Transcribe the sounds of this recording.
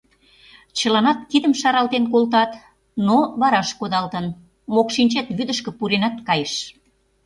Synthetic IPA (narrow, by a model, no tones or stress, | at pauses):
t͡ɕəlɑnɑt̪kid̪əmʃɑɾɑlt̪enk̬olt̪ɑt̪ | noβɑɾɑʃkod̪ɑlt̪ə̆n | mokʃinʲt͡ɕet̪βyd̪əʃkĕpuɾenɑt̪kɑjəʃ